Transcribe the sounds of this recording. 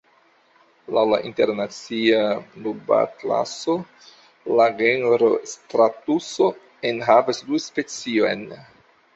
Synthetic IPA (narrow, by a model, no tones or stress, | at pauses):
lawlaʔinte̞ɾnat͡sianuba̰kla̰so | laɡenɾostɾatuso̞ | enɦavasduspe̞t͡sio̞̰jn